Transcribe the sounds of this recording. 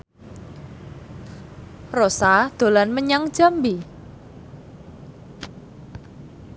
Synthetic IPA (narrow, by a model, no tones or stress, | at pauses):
rɔsad̪̥o̤lanməɲaŋd̥ʒ̥a̤mbi